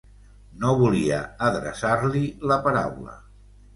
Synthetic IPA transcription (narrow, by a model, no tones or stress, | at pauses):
noβuliə̰əðɾə̰saɾliləpəɾa̰wlə̰